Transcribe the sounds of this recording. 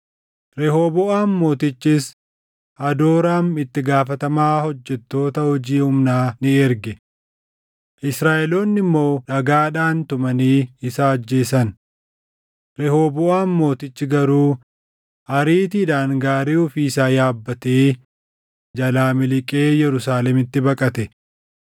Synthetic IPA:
ɾɛɦoːbɔʔaːnmo̞ːt̪ɪt͡ʃːɪs | ɐd̪oːɾaːmɪt̪ːɪɡaːfɐt̪ɐmaːhɔd͡ʒːɛt̪ːo̞ːt̪ɐhɔd͡ʒiːhʊmnaːnɪɛɾɡɛ | ʔɪsɾaːʔɛloːnːɪmːo̞ːᶑɐɡaːᶑaːnt̪ʊmɐniːɪsaːd͡ʒːe̞ːsɐn | ɾɛho̞ːbʊaːmːo̞ːt̪ɪt͡ʃːɪɡɐɾuː | hɐɾiːt̪iːᶑaːŋɡaːɾeːʊfiːsaːjaːbːɐt̪eː | d͡ʒɐlaːmɪlɪkʼeːjɛɾʊsaːlɛmɪt̪ːɪbɐkʼɐt̪ɛ

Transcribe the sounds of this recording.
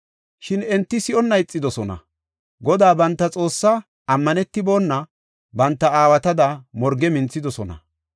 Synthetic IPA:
ʃɪnɛnt̪ːɪsɪɔnːɐɪt͡sʼːɪd̪ɔsɔnɐ̰ | ɡɔd̪aːbɐnt̪ːɐt͡sʼo̞ːsːa | ɐmːɐnɛt̪ːɪbo̞ːnːɐ | bɐnt̪ːɐaːwɐt̪ɐd̪ɐmɔɾɡɛmɪnt͡sːɪd̪ɔsɔnɐ̰

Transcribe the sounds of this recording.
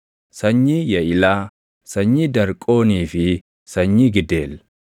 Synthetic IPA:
sɐɲːiːjɐʔɪlaː | sɐɲːiːd̪ɐɾkʼo̞ːniːfɪ | sɐɲːiːɡɪd̪eːlːɐ

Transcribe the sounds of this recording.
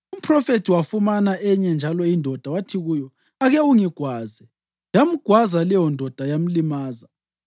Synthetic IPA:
um̩pʰrɔfetʰiwafumanaʔɛɲɛnd͡ʒʱalɔindʱɔd̥ʱawatʰiɣuːjɔ | aɣɛuŋiɡ̥ʱwaːzɛ | jam̩ɡ̥ʱwazalɛjɔndʱɔd̥ʱajam̩limaːza

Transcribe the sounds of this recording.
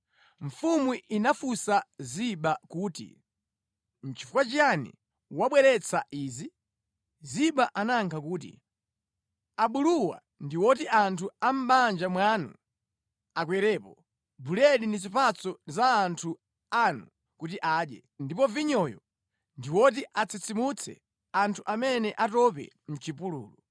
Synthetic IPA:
ɱ̩fumuinafusaziɓakuːtḭ | n̩t͡ʃi̥fukwat͡ʃianḭ | waɓwɛɾɛt͡sʰaʔiːzi | ziɓaʔanaŋkʰakuːt̬ḭ | aɓuluwa̰ | ndiwɔt̬iʔantʰuam̩ɓand͡ʒamwaːnṵ | akwɛɾɛːpɔ | bulɛɗinizipat͡sɔzaːntʰu | anu | kutiʔaːɗjɛ̰ | ndipɔviɲɔjɔ̰ | ndiwɔt̬iʔat͡sit͡simut͡sʰɛ̰ | antʰuʔamɛnɛʔatɔpɛ̰ | m̩t͡ʃipulṵːlu

